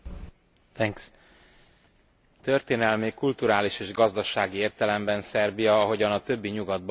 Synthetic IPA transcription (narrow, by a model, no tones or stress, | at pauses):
t̪ɛŋks | t̪ø̞rt̪eːnɛlmikult̪uɾaːliʃeːʒɡɒzd̪ɒʃaːɡieːrt̪ɛlɛmbɛnsɛrbijɒɒɦo̞ɟɒnɒt̪ø̞bːiɲuɡɒd̪̚b